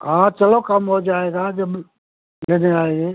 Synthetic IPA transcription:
ɦãːt͡ʃɐlokɐmɦod͡ʒaːeːɡaːd͡ʒɐbɪ | eneaːɦeː

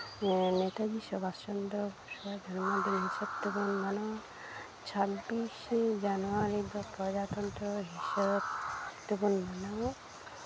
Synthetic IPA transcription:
net̪ad͡ʒisɔbast͡ʃɔnd̪ɔsɔbad̪ʱɔɾmad̪inɦiʃɔb̚t̪ubɔnmanɔ | t͡ʃʰabːisd͡ʒanuaɾid̪ɔpɾɔd͡ʒat̪ɔnt̪ɾɔɦiʃɔɾtt̪ɔbɔnmanɔw

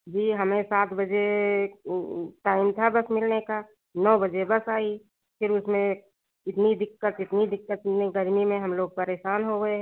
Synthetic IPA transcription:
d͡ʒiːɦɐmẽsaːt̪ʰbəd͡ʒe | ʈaːɪmt̪ʰabɐsmɪlneka | nɔːbəd͡ʒebɐsaːi | pʰɪɾʊsmẽ | ɪt̪nid̪ɪkːət̪ɪt̪nid̪ɪkːət̪neɡəɾmimẽɦɐmloːɡ̚pəɾeːʃaːnɦoɡəeɦɛ

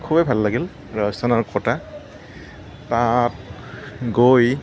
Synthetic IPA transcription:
kʰubɛbʱalːaɡil | ɹasdanaɹkɔta | tat̚ | ɡoj

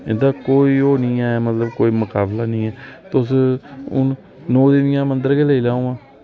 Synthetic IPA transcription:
ɪnd̪aːkoːiːɦoːnĩːɛːɛmət̪ləbkoːiːməkaːblaːnĩːɛːt̪ʊsʊ̰n | nɔːd̪ɪʋɪjãːmənd̪əɾkeːləiːlaːõːãː

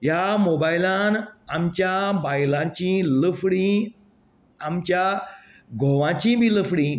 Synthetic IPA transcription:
jamobailãnamt͡ɕjabajlãt͡ɕĩːləfɽĩ | amt͡ɕja | ɡʱoʋãt͡ɕĩbiːləfɽĩ

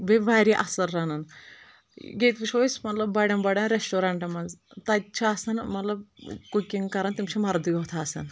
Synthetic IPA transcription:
bebaːɾiʔɐsɐɾːɐnɐn | ɡeːt̪biʃoːismɐt̪lɐbbɐɽɐnbɐɽʲɐnɾesʈoɾaːɳʈɐmɐnzt̪ɐt͡ʃʰaːsɐnmɐt̪lɐb̚kukiŋɡkɐɾɐnt̪imt͡ʃʰimɐɾd̪ijot̪ʰaːsɐ̰n

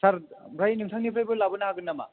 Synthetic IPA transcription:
saɾbɾajnɯŋtʰaŋnibɾajbɯlabɯnaɦaɡɯnːɐma̰

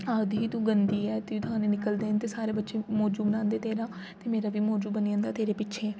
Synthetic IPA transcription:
aːd̪ɦiːt̪ũːɡənd̪iːɛːt̪ɪiːt̪ʊɦãːneːnɪkəld̪eːnt̪eːsaːɾeːbətːʃeːmɔːd͡ʒuːbənãːnd̪eːt̪eːɾãː | t̪eːmeːɾaːʋiːmɔːd͡ʒuːbəniãːnd̪aːt̪eːɾeːpɪtːʃʰeː

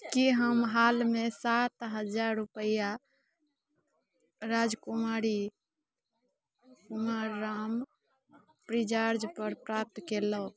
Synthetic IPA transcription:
kiɦəmɦalmesat̪ɦəd͡ʒaɾːupəja | ɾad͡ʒkumaɾi | kumaɾːam | pɾid͡ʒaɾd͡ʒpəɾpɾap̚t̪kelə

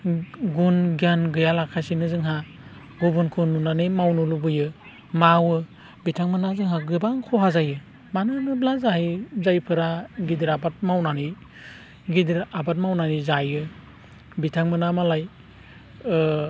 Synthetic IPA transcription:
ɡunɡjanɡɯjalakʰasinɯzɯŋɦa | ɡubɯnkʰununanɯjmawnulubɯjɯ | mawɯ | bitʰaŋmɯnazɯŋɦaɡɯbaŋkʰɔɦazajɯ | manɯnɯblazaɦijzajpʰɯɾaɡidiɾabat̚mawnanij | ɡidiɾabat̚mawnanizajɯ | bitʰaŋmɯnamalaj

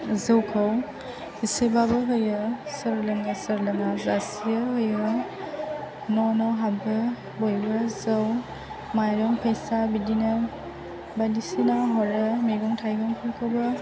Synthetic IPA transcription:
zɯwkʰɔw | isebabɐɦojɯsɐɾlɐŋasɐɾlɐŋazasijɯɦojɯ | nɔnɔwɦabɯ | bojbɐzɐw | majɾɔŋpʰəjsabidinɐ | badisinaɦɔɾɯmeɡɔŋtʰajɡɔŋkʰɔŋkʰawbɐ

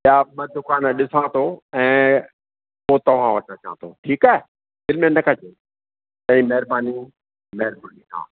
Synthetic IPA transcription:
jaɓɐd̪ʊkaːnɗɪsãt̪ʰoɛ̃ː | poːt̪ɐʋ̤ãʋɐʈnat͡ɕãːɦə̃t̪ʰo̰ʈʰiːkaɦe | d̪ɪlmẽnɐkʰãd͡ʒʰe | tɐ̃ĩmɐɦɪɾbaːni | mɛɦɾbuniɦã̰ː

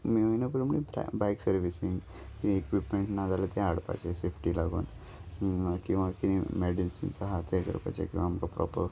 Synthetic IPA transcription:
miəinəpəɽmnib̰bajksəɾʋisiŋɡ | kiwiekʋipmeɳʈnad͡zalət̪eaɽpa̰t͡ʃesepʰʈilaɡo̰n | kĩw̃ʋakiñimeɖilsḭnt͡saɦat̪ʰekə̰ɾpa̰jt͡ɕḛkĩw̃ʋaːmkapɾɔ̰pə̰ɾ

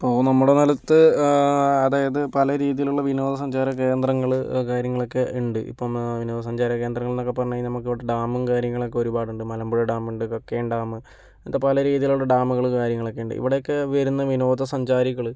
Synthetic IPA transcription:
ipːoːnɐmːuɽenɐlɐt̪ːɨ | ɐðaːjɐðɨpɐlɐɾiːðijiluɭːɐʋino̞ːd̪ɐs̬ɐɲd͡ʑaːɾɐke̞ːnd̪rɐŋːɐɭkaːɾjɐŋːɐɭo̞kːeʔuɳɖɨʔḭpːoːʋino̞ːd̪ɐsɐɲd͡ʑaːɾɐkːe̞ːnd̪rɐŋːɐɭnokːɐpːɐrɐɲːaːjinɐmuk̬ːiʋiɽeɖaːmunkaːɾjɐŋːɐɭo̞kːeoɾubaːɽuɳɖɨmɐlɐmbuɻɐɖaːmuɳɖɨkokːeːɳɖaːmɨ | nt̪ːɐpɐlɐɾiːðijiluɭːɐɖaːmuɣɐɭkaːɾjɐŋːɐɭo̞kːeuɳɖɨ̰ʔḭʋiɽejokːeʋɐɾunːɐʋino̞ːd̪ɐsɐɲd͡ʑaːɾiɣɐɭ

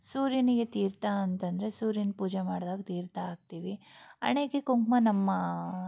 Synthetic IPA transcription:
suːɾjiniɡe̞t̪iːɾt̪aɐnt̪ɐnd̪ɐɾesuːɾjinpuːd͡ʒemaːɽd̪aːɡt̪iːɾt̪aːɡ̚t̪iːʋiɐ̰ɳeːkekoŋkmɐnɐmːɐ

